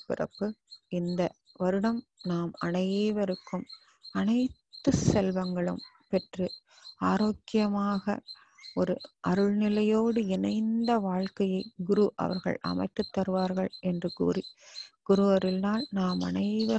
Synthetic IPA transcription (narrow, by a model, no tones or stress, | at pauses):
pɪ̰ɾɐ̰pːɯɪnd̪ɐ | ʋɐɾɯɽɐmnaːmɐɳɐjeːʋɐɾɯkːɯm | ɐnɐɪt̪ːɯsɛlʋɐŋɡɐɭɯ̰m | pɛʈrɯ | aːɾoːkːɪjɐmaːɣɐ̰ | ɔɾɯʔɐɾɯɭnɪlɐjoːɽɯɪnɐɪnd̪ɐʋaːɻkɐjɐɪɡʊɾuʔɐ̰ʋɐ̰ɾɣɐ̰ɭʔɐ̰mɐ̰ɪt̪ːɯt̪ːɐɾɯʋaːɾɣɐɭɛndrɯɡṵːɾiɡ̥ʊɾɯʋɐɾɪlnaːlnaːmɐ̰ɳɐɪʋɐ